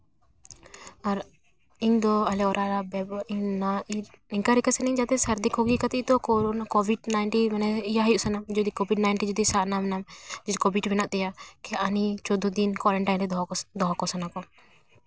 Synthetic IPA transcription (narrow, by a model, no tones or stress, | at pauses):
aɾ | iɲd̪ɔalɛɔɾʔaɾabɛbiɲnaiiɲkaɾikasɛnɛɲd͡ʒat̪ɛsaɾd̪ikʰɔɡikat̪iʔt̪ɔkɔɾɔnakɔbʱiɖnajnʈimanɛijaɦajuʔsanamd͡ʒɔd̪ikɔbiɖnajɳʈind͡ʒɔd̪isaʔnamɛnamd͡ʒid͡ʒkɔbʱiʈbɛnaʔt̪ɛjakʰɛanit͡ʃɔd̪ud̪inkwaɾɛɳʈajnʈid̪ɔɦɔkɔsanakɔ